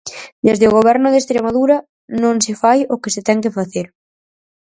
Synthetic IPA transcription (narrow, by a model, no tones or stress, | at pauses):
d̪ezðɪoɣ̞oβ̞ɛɾnʊðeːst̪ɾemaðuɾɐ | nõŋsɪfajʊkɪsɪt̪ɛŋkɪfaθeɾ